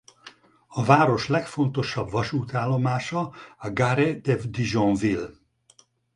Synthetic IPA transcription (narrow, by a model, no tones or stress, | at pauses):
ɒvaːɾo̞ʃlɛkfo̞nt̪o̞ʃɒbvɒʃuːt̪aːlːo̞maːʃɒɒɡaɾed̪evd̪iʒõnvil